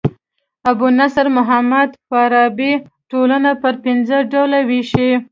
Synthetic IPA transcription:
abunasaɾmʊɦamad̪faɾɑbi | ʈolanapəɾpɪnzəɖawlawiʃi

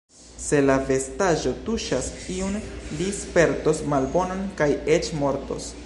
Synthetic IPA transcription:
se̞lave̞staʒo̞tuʃasiunlispe̞ɾto̞smalbo̞nonkajet͡ʃmo̞ɾto̞̰s

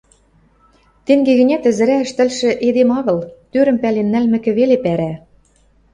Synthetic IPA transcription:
t̪eŋɡeɣɘ̆nʲæt̪ɘ̆zɘ̆ɾæə̆ʃt̪ɘ̆lʃɘ̆ʔed̪emɑɣɤ̆lt̪øɾɘ̆mpælenːælmɘ̆kɘ̆βelepæɾæ

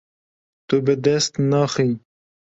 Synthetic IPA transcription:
t̪ubɨd̪ɛst̪nɑːxi

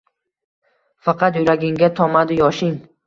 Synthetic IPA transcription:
fɑqʰɑt̪jʊɾaɡʲɪŋɡʲat̪ʰɒmad̪ɪjɒʃɪŋ

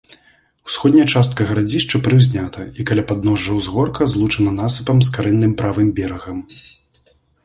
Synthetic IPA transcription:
w̥sxɔd̪ʲnʲɐɐt͡ʂast̪̚kɐɣɐɾad͡zʲiʂt͡ʂɐpɾɨwzʲnʲat̪ʰɐikalʲapad̪̚nɔʐːɐwzɣɔrkɐzlˠut͡ʂɐnɐnasɨ̥pɐmskaɾɛnːɨmpɾavɨmbʲɛɾɐɣɐm

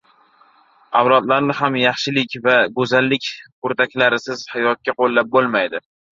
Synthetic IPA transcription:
awlˠɒd̪laɾnɪɦamjɑχʃɪlɪkʲvaɡɵzalːɪkʲ | ʊɾt̪akʲlaɾɪsɪz̥hajɒt̪̚kʲaqolˠːap̚bolˠmajd̪ɪ

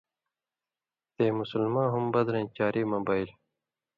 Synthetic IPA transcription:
t̪eːmusulmãːɦumbʌd̪ɾẽnt͡ɕaːɾʔiːmɐbaːil

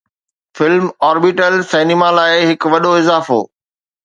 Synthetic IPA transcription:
fɪlmɔːɾbiʈəlsɛːnimalaːɪɦɪkʋɐɗoɪzaːfo̰ː

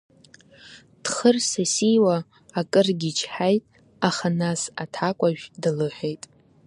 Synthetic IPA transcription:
d̥χərsasijwaː | kʼɨrɡʲit͡ʃʰħajtʼ | aχanasatʰakʷʼaʒᶣdalɨħʷᶣejtʼ

